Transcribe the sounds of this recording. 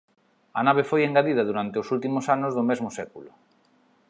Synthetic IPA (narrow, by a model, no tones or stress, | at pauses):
ɐnaβ̞efojeŋɡaðið̞ɐðuɾant̪eʊsult̪imʊsanʊzðʊmezmʊsɛkulʊ